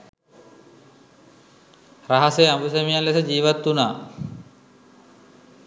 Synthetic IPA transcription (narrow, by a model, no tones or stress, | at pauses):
raɦaseabusemijalːesəd͡ʑiːʋat̪ːunaː